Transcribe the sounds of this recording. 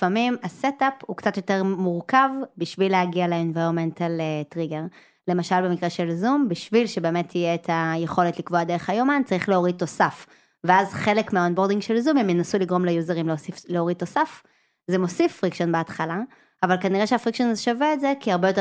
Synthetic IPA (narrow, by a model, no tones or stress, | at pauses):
famimasetaphukt͡satjo̞teʁmuʁkavbiʃvileaɡialeenvaʁonmentaletʁiɡe̞ʁ | le̞maʃalbe̞mikʁeʃe̞lzumbiʃvilʃebe̞ːmetʰːijeːtʰajeχo̞letlikvoadeʁeχajomant͡saʁiχleoʁid̚tːo̞saf | veazχe̞lekmeaonbo̞ʁdiŋɡʃelzumhemjenasuliɡʁo̞mlejuzeʁimleosifleoʁid̚tːo̞saf | zemo̞sifːʁikʃonbeatχala | avalkaniʁeʃeafʁikʃonazeʃaveetzekiaʁbejote